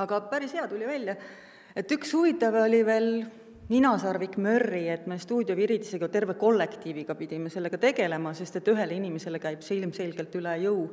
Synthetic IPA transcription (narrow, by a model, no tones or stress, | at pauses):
ɑɡɑpæɾisheɑt̪ulʲivælʲjɑ | e̞t̪ːykshuvit̪ːˑɑvo̞lʲive̞ːl | minɑsɑrvikˑmø̞rːiet̪ːme̞st̪uːd̪ʲjoviɾid̪iseɡ̥ɑt̪e̞rve̞ko̞lːe̞kt̪iːviɡ̥ɑpid̪̥imese̞lːe̞ɡ̥ɑt̪e̞ɡ̥e̞le̞mɑse̞st̪e̞t̪ːyɦe̞leinimese̞lekæjb̥silmse̞lɡ̥e̞lt̪ylɛjɤu